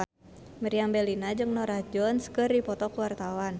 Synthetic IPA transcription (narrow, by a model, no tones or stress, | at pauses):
məɾiambɛlinad͡ʒɨŋnɔɾad͡ʒɔnskɨrdipɔt̪ɔkuwart̪awan